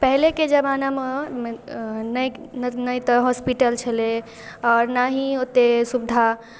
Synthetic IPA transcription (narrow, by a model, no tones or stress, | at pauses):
pəɦleked͡ʒəbaname | nəjnnəjt̪əɦɔspiʈəlt͡ʃʰəle | ɔːɾnaɦiot̪esubd̪ʱa